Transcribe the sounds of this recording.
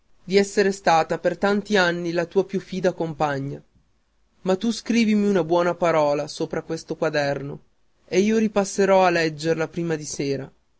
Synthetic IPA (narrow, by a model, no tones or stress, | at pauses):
d̪iɛsːeɾest̪aːt̪apert̪ant̪ianːilat̪uːapjufːiːd̪akompaɲːa | mat̪ːuskɾiːvimiunabwɔːnapaɾɔːlasoːpɾakwest̪okwad̪ɛrno | eiːoɾipasːeɾɔalɛd͡ʒːerlapɾiːmad̪iseːɾa